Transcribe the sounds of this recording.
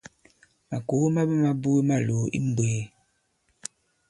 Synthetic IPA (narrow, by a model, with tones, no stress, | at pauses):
ma˨ko˨˦ma˦be˦ma˦bu˦e˦ma˦˨lo˨˦ḭ˦m˦bweː˨˦